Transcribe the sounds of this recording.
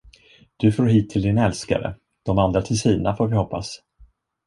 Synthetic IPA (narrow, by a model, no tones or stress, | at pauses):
d̪̥ɵfoːɾɦiːt̪ʰːɪld̪ɪnɛlska̰ɾə̰ | d̪̥ɔmand̪ɾat̪ʰɪlsiːnafoːɾvɪhɔpːa̰s